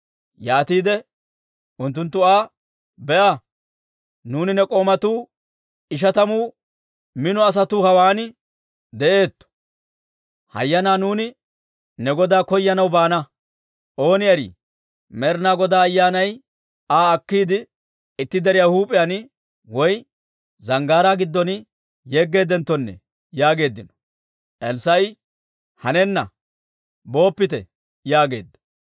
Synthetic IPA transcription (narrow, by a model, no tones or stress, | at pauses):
jaːt̪iːd̪ɛ | ʔʊnt̪̬ːʊnt̪ːʊaː | bɛʔa | nuːnɪnɛkʼo̞ːmɐt̪uː | ɪʃ̬ɐt̪ɐmuː | mɪnɔɐs̬ɐt̪uːhɐwaːnɪ | d̪ɛʔe̞ːt̪ːɔ̥ | hɐ̰jːɐnaːnuːnɪ | nɛɡɔd̪aːkɔjːɐnɐwbaːnɐ | ʔo̞ːnɪjɐɾḭː | mɛɾnaːɡɔd̪aːjːaːnɐj | aːɐkːiːd̪ɪ | ɪt̪ːɪd̪ɛɾɪjahuːpʼɪjan | wɔj | zɐŋɡaːɾaːɡɪd̪ːɔn | jeːɡːe̞ːd̪ɛnt̪ːɔnːɛ̰ | jaːɡe̞ːd̪ːɪnɔ̥ | ʔɛlsɐj | hɐnɛnːɐ | bo̞ːpːɪt̪ɛ | jaːɡe̞̰ːd̪ːɔ̥